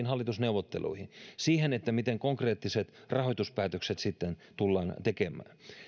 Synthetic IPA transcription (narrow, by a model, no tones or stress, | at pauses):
nhɑlːit̪usneuʋot̪ːḛlṵihinsiːhenet̪ːæmit̪eŋkoŋkreːt̪ːiset̪rʔɑhojt̪uspæːt̪økset̪sit̪ːent̪ulːɑːnt̪ekemˑæ̰ːn